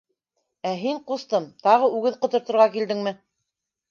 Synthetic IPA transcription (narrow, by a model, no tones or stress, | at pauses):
æɦiɴqust̪ɤmt̪ɑʁɤʉɡɘðqŏt̪ŏɾt̪ŏɾʁɑkild̪ɘŋmɘ